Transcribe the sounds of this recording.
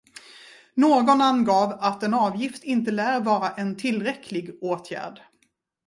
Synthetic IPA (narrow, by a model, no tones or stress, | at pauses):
noːɡɔnanɡɑːvat̪ɛnɑːvjɪft̪ɪnt̪əlæːɾvɑːɾaʔɛnt̪ʰɪlɾɛkʰlɪɡoːt̪ʰjæ̰ːɖ